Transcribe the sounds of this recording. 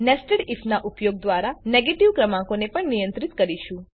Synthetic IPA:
nɛsʈəɽifʰnaʔupjoɡ̚d̪ʋaɾaneɡeʈiʋkɾəmãkonepəɳnijə̃nt̪ɾit̪kəɾiʃũ

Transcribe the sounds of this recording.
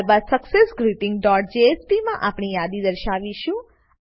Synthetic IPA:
ɾbad̪səksesɡɾiʈɪ̃ŋɡ̚ɖɔʈ̚d͡ʒeespimãʔapɳ̃ijad̪id̪əɾʃaʋiʃũ

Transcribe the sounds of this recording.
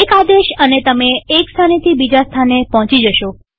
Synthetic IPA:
ekad̪eʃənet̪əmeːkst̪ʰanet̪ʰibid͡ʒast̪ʰanepɔɦɔ̃t͡ʃid͡ʒəʃo

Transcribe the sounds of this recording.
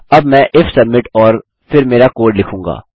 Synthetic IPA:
ɐbmɛ̃ʔɪfsɐbmɪʈɔːɾ | pʰɪɾmeːɾakoːɾɖlɪkʰũːŋɡa̰ː

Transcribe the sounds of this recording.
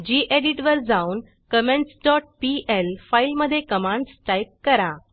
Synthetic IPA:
d͡ʑiːʔeɽiʈʋəɾd͡zauːn | kəmeɳʈsɖɔʈ̚piʔelfailməd̪ʱːjekəmãɳɖsʈajp̚kəɾa

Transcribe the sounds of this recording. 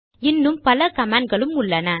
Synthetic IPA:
ɪnːɯmpɐlɐkɐmaːnɡɐɭɯmʊɭːɐnɐ

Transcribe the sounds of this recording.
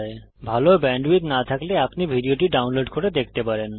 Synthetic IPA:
e | bʱalobɛɳɖwit̪nat̪ʰakleapnibʱiɖioʈiɖawnloɖkʰoʈed̪ek̚ʰt̪epaɾen

